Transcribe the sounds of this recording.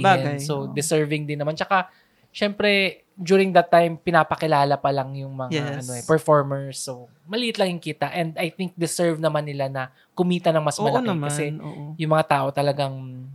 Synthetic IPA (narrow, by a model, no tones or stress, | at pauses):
baɛsod̪ɪsɛɹvɪŋd̪ɪnːɐmant͡ʃɐka | ʃɛmpɾɛ | d͡ʒjuːɾɪŋd̪ɐt̪ːajmpɪnaːpɐkɪlaːlɐpɐlɐŋjʊŋmɐŋaaʔɐno̞ɛpɛɹfoɹmɛɹsːo | mɐliːɪt̪lɐŋjʊŋkiːt̪ɐʔɛnd̪ɐjθɪŋk̚d̪ɪsɛɹvnɐmanːɪlanɐ | kʊmiːt̪ɐnɐŋmɐsmɐlɐkɪkɐsɛoːjʊŋmɐŋat̪aːʔo̞t̪ɐlɐɡaŋ